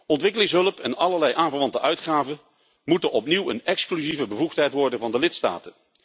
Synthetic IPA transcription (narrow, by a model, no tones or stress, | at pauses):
ɔntʋɪkəlɪŋsɦɵləpɛnɑləɹlɛjʔaːnvəɹʋɑntəʔœɥtχaːvən | mutənɔpniwənɛksklyzivəbəvuχtɦɛjtʋɔɹdənvɑndəlɪtsta̰ːtən